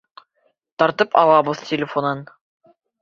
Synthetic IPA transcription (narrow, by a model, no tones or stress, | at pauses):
t̪ɒɾt̪ɤpʰɑ̰lˠɑbɤðtʲɪlʲɪfonɤn